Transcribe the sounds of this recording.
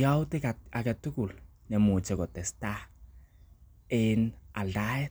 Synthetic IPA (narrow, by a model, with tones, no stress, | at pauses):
jawtekaa˨kɛtu˦ku˨l | nɛ˨mu˨t͡ʃɛ˨kɔ˨tɛ˨sta | ɪna˨ldaɛt̚